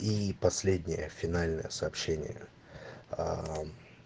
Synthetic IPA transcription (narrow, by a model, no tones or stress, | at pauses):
ipɐsʲlʲed̪ʲnʲɪjəfʲɪnalʲnəjəsɐːpɕenʲɪ̰jə̰ | a